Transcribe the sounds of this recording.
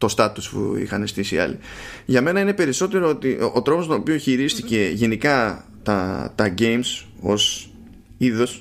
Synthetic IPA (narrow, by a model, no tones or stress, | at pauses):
t̪o̞st̪ɐt̪uspṵḭxɐne̞st̪isiɐ̰lḭʝɐme̞nɐine̞pe̞ɾiso̞t̪e̞ɾoot̪iʔot̪ɾo̞post̪oopio̞çiɾist̪ice̞ʝe̞nikɐ | t̪ɐt̪ɐʝe̞jms | o̞s | iðo̞s